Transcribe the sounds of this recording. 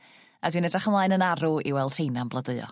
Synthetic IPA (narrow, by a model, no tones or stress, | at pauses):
adwinɛdaχəmlˠaːɨnənaɾuḭwɛlˠd̥r̥ejnanblˠədɨɨɔ̰